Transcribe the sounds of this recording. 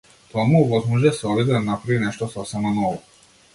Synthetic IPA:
t̪omuuʋozmuʒeseobid̪amnapɾaʋineʃt̪osasamanoʋo

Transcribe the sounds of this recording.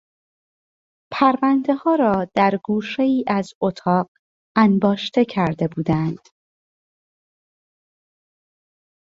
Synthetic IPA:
pʰæɾvænd̪e̞hɒːɾɒːd̪̥æɾɡuːʃe̞iːʔæzot̪ʰɒːɢ | ænbɒːʃt̪ʰe̞cʰæɾd̪e̞buːd̪ænd̪̥

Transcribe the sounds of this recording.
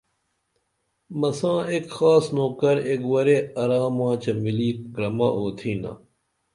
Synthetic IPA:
mɐsãːekxaːsnoːkɐɾekwɐɾeɐɾaːmãːt͡ɕɐmiliːkɾɐma̰ʔoːt̪ʰiːna̰

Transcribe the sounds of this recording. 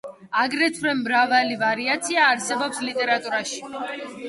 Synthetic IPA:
aɡɾɛt̪ʰɾɛmːɾavalivaɾiat̪sʰiaːɾsɛbɔpslit̪ʼɛɾat̪ʼuɾaʃi̥

